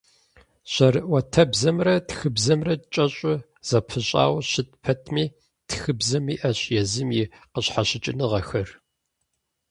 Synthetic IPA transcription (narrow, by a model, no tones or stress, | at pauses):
ɕɐrɨʔwɐtʰɐbzɐmrɐtxɨbzɐmrɐdt͡ʃʼɐɕʼʊ | z̥ɐpʰɨɕʼa̰ːwɕɪt̚pʰɐtʰmiː | txɨbzɐmiːʔɐɕjɛzɨmjiqəɕħaɕɪt͡ʃʼɪnɨʁɐxɐr